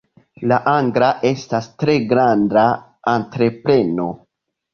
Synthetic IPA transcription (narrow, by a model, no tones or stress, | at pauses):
laʔaŋɡɾaʔe̞stastɾe̞ɡɾandaː | ntɾe̞pɾe̞no̞̰